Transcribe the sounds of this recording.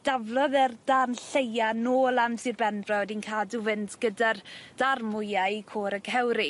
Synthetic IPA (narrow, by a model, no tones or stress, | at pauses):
d̥avlˠɔðɛrd̥anɬejanoːlˠamsirbɛndrɔwdinkʰaːduvɨntɡ̥ədard̥armʊjaikʰoːɾəɡhɛwɾi